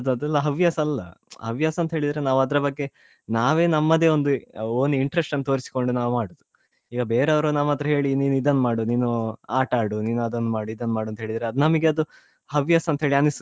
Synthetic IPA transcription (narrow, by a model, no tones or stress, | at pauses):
ɐd̪uɐd̪ɛlːɐɦɐʋjaːsɐɐlːɐ̰hɐʋjaːsɐnt̪ɦeːɭid̪ɐɾenaːʋuɐd̪ɾɐbɐɡːe̞ | naːʋe̞ːnɐmːɐd̪e̞ːo̞nd̪uoːniɳʈɾesʈɐnːɐt̪oːɾisi̥ko̞ɳɖunaːʋumaːɽud̪u | iːɡɐbeːɾeɐʋɾunaːmat̪ɾɐɦe̞ːɭiniːnuid̪ɐnːumaːɽuniːnuaːʈaːɽuniːnuɐd̪ɐnːumaːɽuid̪ɐnːmaːɽuɐnt̪ɦe̞ːɭid̪ɾeɐd̪unɐmɐɡeɐd̪u | hɐʋjaːsɐnt̪ɐɦe̞ːɭianis